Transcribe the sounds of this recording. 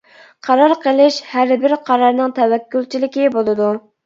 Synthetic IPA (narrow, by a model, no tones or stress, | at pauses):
qʰɑɾɑɾqʰəlˠɪʃhæɾbɪɾqʰɑɾɑɾnɨŋt̪ʰɛwɛkʲːult͡ʃʰilɪkʲibolˠɨd̪u